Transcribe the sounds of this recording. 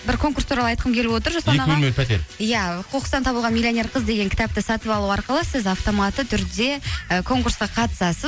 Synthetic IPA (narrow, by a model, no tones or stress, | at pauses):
bɪɾkʰo̞ŋkurst̪ʰuɾɑlˠɑjt̪qəmkʲʰe̞lɪpwo̞t̪əɾʒosɑenɑemepʰæt̪ḛɾjæqʰoqəst̪ɑnt̪ʰɑbəlˠʁɑnmʲilʲːionʲe̞ɾqʰəzd̪e̞ɡʲŋkʲʰɪ̥t̪ɑp̚t̪əsɑt̪əpɑlˠuɑɾqəlˠəsɪzɑft̪o̞mɑt̪ət̪ʰʏɾd̪e̞əkʰo̞ŋkursqɑqʰɑt̪ə̥sɑsəz